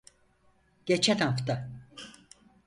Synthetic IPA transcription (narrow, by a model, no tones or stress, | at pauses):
ɟ̥et͡ʃʰɛnhaft̪a